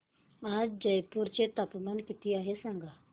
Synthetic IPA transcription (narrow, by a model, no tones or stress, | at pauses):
aːd͡ʒɐjpuɾt͡ʃet̪ɐpmənkɪt̪iaːɦesɐŋɡaː